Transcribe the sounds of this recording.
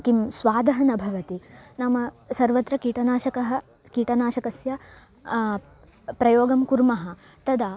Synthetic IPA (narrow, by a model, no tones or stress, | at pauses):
kimsʋaːd̪ɐɦɐnɐbʱɐʋɐt̪inɐmɐsɐɾʋɐt̪ɾɐkiːʈɐnaːʃɐkɐɦɐ | kiːʈɐnaːʃɐkɐsjɐ | pɾɐjoːɡɐmkuɾmɐɦɐ̆ | t̪ɐd̪ɐ